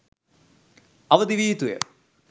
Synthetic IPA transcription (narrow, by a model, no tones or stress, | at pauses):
ɐʋɐd̪iʋiːt̪ujɐ̰